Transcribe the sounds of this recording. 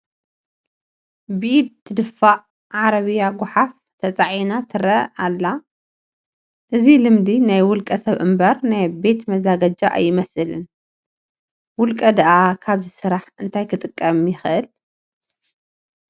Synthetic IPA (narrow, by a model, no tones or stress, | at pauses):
bid̪̚t̪ʰɨd̪ɨfːaʕ | ʕaɾɐβɨjaɡʊħaf | t̪ʰɐt͡sʼaʕinat̪ʰɨɾɐalːa | ʔɨzilɨmd̪inajwʊlkʼɐsɐβʔɨmbɐɾnajbe̞t̪mɐzaɡɐd͡ʒaʔa̰jːɪmɐsɨlɨn | wʊlkʼɐd̪ɐʔakʰaβzɨsɨɾaħɨnt̪ʰajkʰɨt̪ʼɨkʼːɐmjɪxɨʔɨl